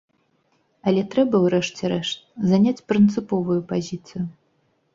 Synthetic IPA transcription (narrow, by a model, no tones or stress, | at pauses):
ɐlʲɛt̪ɾɛbɐwrɛʂt͡sʲɛɾɛʂt̪̚zanʲat͡sʲpɾɨnt̪sɨpɔvujʊpazʲit̪sɨjʊ